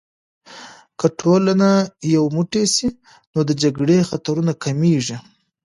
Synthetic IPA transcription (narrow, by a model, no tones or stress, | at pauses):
kəʈʰolanajawmuʈesi | nod̪əd͡ʒaɡɽexat̪aɾunakʰameʐi